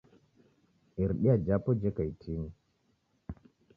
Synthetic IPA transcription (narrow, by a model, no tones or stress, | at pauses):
iɾɗiad͡ʒapɔd͡ʒekajtʰiŋ